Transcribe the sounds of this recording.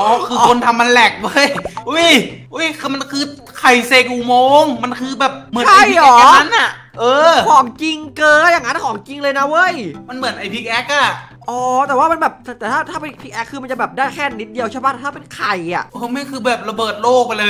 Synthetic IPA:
ʔɔː˧˦˧kʰɯː˧o˧nt̪ʰa˧mːa˧nlɛ˨˩k̚wo˦˥˩jʔu˦˥˩jʔu˦˥˩jma˧nkʰɯː˧ | kʰa˨˩jse˧kuː˨˩moː˧ŋma˧nkʰɯː˧bɛː˨˩p̚mɯ˩˦a˥˧˥jɔː˨˩˦a˦˥nʔa˨˩ʔ | ʔɤː˧kʰɔː˩˦ŋt͡ɕi˧ŋkɤː˧jaː˨˩ŋːa˦˥n˧kʰɔː˩˦ŋki˧ŋlɤː˧jna˦˥wɤ˦˥˩jma˧nmɯ˨˩˦nʔa˧˩jpʰi˦˥k̚ʔɛ˦˥k̚ʔa˧˩ | ʔɔː˨˩˦t̪ɛː˨˩waː˥˩ma˧nbɛː˨˩p̚t̪ʰt̪ɛː˨˩aː˥˩t̪ʰaː˥˩pe˧pʰi˦˥k̚ʔɛ˦˥kʰːɯː˧ma˧nt͡ɕa˨˩bɛː˨˩p̚daː˥˩jkʰɛː˥˩ni˦t̪̚di˧əwt͡ɕʰaː˥˩baː˥˩t̪ːt̪ʰa˥˩pe˧nkʰa˨˩jʔa̰˨˩ʔʔɤː˧ma˥˩kʰɯː˧bɛː˨˩p̚ɾa˧bɤː˨˩t̪̚loː˥˩k̚pa˧nlɤː˧j

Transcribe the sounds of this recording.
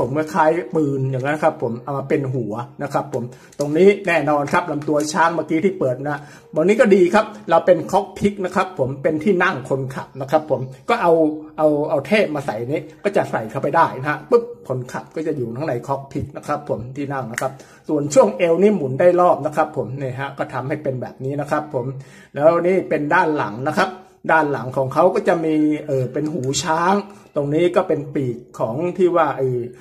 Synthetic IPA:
o˩˦mkɔː˥˩kʰaː˦˥jpɯː˧njaː˨˩ŋːa˦˥nkʰa˦˥pʰːo˩˦mʔa˨˩wmaː˧pe˧nɦu˨˩˦ɐna˦˥kʰɾa˦˥pʰːo˩˦m | t̪o˧ŋniː˦˥nɛː˥˩nɔː˧nkʰa˦˥p̚na˧mt̪u˧ɐt͡ɕʰaː˦˥˩ŋmaː˧˩kiː˦˥t̪ʰiː˥˩pɤː˨˩t̪̚ma˧˥ɦa˦˥ | bɔː˨˩k̚niː˦˥kɔː˥˩diː˧kʰa˦˥p̚ɾa˧wpe˧nkʰɔ˦˥k̚pʰi˦˥k̚na˦˥kʰɾa˦˥pʰːo˩˦mpe˧nt̪ʰiː˥˩na˥˩ŋkʰo˧nkʰa˨˩p̚na˦˥kʰɾa˦˥pʰːo˩˦mkɔː˥˩ʔa˧wʔa˧wʔa˧wt̪ʰeː˥˩p̚maː˧sa˨˩jʔa˧nːiː˦˥kɔː˥˩t͡ɕa˨˩sa˨˩jkʰa˧˩pa˧jdaː˥˩jna˧˦ɦa˦˥pɯ˦˥˩p̚pʰo˨˩˦nkʰa˨˩p̚kɔː˥˩t͡ɕa˨˩juː˨˩t̪ʰa˦˥ŋna˨˧˦jkʰɔ˦˥k̚pʰi˨˩k̚na˦˥kʰɾa˦˥pʰːo˩˦mt̪ʰiː˥˩na˥˩ŋna˦˥kʰa˦˥p̚ | su˨˩ənt͡ɕʰu˥˩əŋʔe˧wniː˥˩mu˩˦ndaː˥˩jɾɔː˥˩p̚na˦˥kʰɾa˦˥pʰːo˩˦mniː˥˩ɦɛ˦˥kɔː˥˩t̪ʰa˧mha˥˩jpe˧nbɛː˨˩p̚niː˦˥na˦˥kʰɾa˦˥pʰːo˩˦m | lɛː˦˥wniː˥˩pe˧ndaː˥˩nla̰˩˦ŋna˦˥kʰa˦˥p̚ | daː˥˩nla̰˨˩˦ŋkʰɔː˩˦ŋkʰa˦˥wkɔː˥˩t͡ɕa˨˩ʔmiː˧ʔɤː˨˩pe˧nɦuː˩˦t͡ɕʰaː˦˥ŋt̪o˧ŋniː˦˥kɔː˥˩pe˧npiː˨˩kʰːɔː˩˦ŋt̪ʰiː˥˩waː˥˩ʔəː˧˩

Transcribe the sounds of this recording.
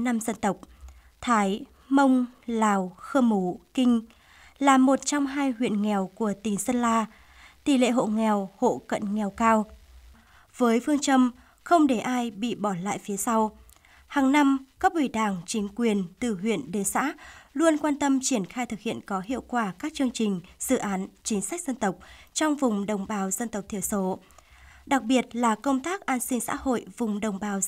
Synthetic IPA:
na˧mzə˧nt̪ə˨˩wk͡p̚ | t̪ʰaː˨˦j | mə˧wŋ͡mlaː˨˩wxəː˧mu˨˦kï˧ŋ̟ | laː˨˩mo˨˩t̚t͡ɕɔ˧wŋ͡mɦaː˧jɦwḭ˧˨ənŋɛ˨˩wku˧˩ət̪i˨˩sə˧nlaː˧ | t̪i˧˩lḛ˧˨ɦo̰˧˨ŋɛ˨˩who̰˧˨kə̰˧˨nŋɛ˨˩wkaː˧w | v̥əː˨˦jfɨ˧əŋt͡ɕə˧m | xə˧wŋ͡mɗe˧˩ʔaː˧jɓḭ˧˨ɓɔ˧˩la̰ː˧˨jfi˨˦əsa˧w | haː˨˩ŋna˧mkaː˦˥k̚ɓi˧˩ɗaː˨˩ŋt͡ɕï˨˦ŋ̟kwi˨˩ənt̪ɨ˨˩ɦwḭ˧˨ənɗe˨˦sa̰ː˧˥lu˧ənkwaː˧nt̪ə˧mt͡ɕi˧˩ənxaː˧jt̪ʰɨ˨˩k̚hḭ˧˨ənkɔ˨˦ɦḭ˧˨əwkwaː˧˩kaː˦˥k̚t͡ɕɨ˧əŋt͡ɕï˨˩ŋ̟z̥ɨ̰˧˨ʔaː˨˦nt͡ɕï˨˦ŋ̟sa˦˥k̟̚zə˧nt̪ə˨˩wk͡p̚t͡ɕɔ˧wŋ͡mvʊ˨˩ŋ͡mɗə˨˩wŋ͡mɓaː˨˦wzə˧nt̪ə˨˩wk͡p̚t̪ʰi˧˩əso˨˦ | ɗa˨˩k̚ɓi˨˩ət̚laː˨˩kə˧wŋ͡mt̪aː˦˥k̚ʔaː˧nsï˧ŋ̟sa̰ː˧˥ho̰˧˨jvʊ˨˩ŋ͡mɗə˨˩wŋ͡mɓaː˨˦w

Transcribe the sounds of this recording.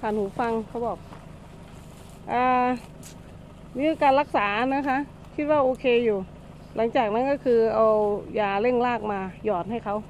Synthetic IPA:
kʰaː˨˩nhuː˩˦fa˧ŋkʰa˧˥˩wbɔː˨˩k̚ | ʔaː˧˩ | miː˧˥kaː˧nla˧˥k̚saː˨˩˦naː˦˥kʰa˦˥ʔ | kʰi˦˥t̪̚waː˥˩ʔoː˧kʰeː˧juː˨˩ | lʔa˩˦ŋt͡ɕaː˨˩k̚na˦˥˨kɔː˥˩kʰɯː˧ʔa˧wjaː˨˩le˥˩ŋlaː˥˩k̚maː˧jɔː˨˩n̚ha˥˩jkʰa˦˥w

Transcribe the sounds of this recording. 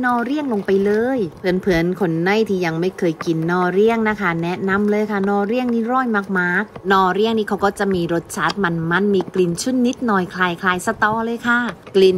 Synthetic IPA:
nɔː˧˩ɾi˥˩əŋlo˧ŋpa˧jlɤː˧jpʰɯ˨˩˦ənpʰɯ˨˩˦nkʰo˧nːa˥˩jt̪ʰiː˧˩ja˧ŋma˥˩jkʰɤː˧jki˨˩nːɔː˧˩ɾi˥˩əŋna˦˥kʰa˥˩nɛ˦˥na˧˥mlɤː˧jkʰa˥˩nɔː˧˩ɾi˥˩əŋniː˦˥ɾɔː˧˥˩jmaː˧˥˩k̚maː˦˧˥k̚nɔː˧˩ɾi˥˩əŋniː˦˥kʰa˦˥wkɔː˥˩t͡ɕa˨˧ʔmiː˧ɾo˦˥t̪̚t͡ɕʰaː˦˥t̪̚ma˧nma˥˨nmiː˧kli˧˩nt͡ɕʰu˥˨nnːi˦˥t̪̚nɔː˧˩jkʰlaː˧jkʰlaː˧jsa˧t̪ɔː˧˥lɤː˧jkʰa˥˩kli˧˩n

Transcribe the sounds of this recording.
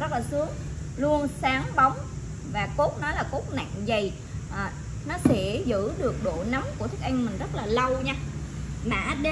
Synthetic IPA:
zə˦˥laː˨˩sɨ˨˦əŋ | lu˧ənsaː˨˦ŋɓa˨˦wŋ͡m | vaː˨˩ko˦˥t̚nɔ˨˦jlaː˨˩ko˦˥t̚na̰˧˨ŋzə˨˩j | ʔaː˨˩ | nɔ˨˦sɛ̰˧˥zɨ̰˧˥ɗɨ˨˩ək̚ɗo˧˨na˨˦mku˧˩ət̪ʰɨ˦ə˥k̚ʔa˧jŋ̟mï˨˩ŋ̟zə˦˥t̚laː˨˩lə˧wɲaː˧ | ma̰ː˧˩ɗe˧

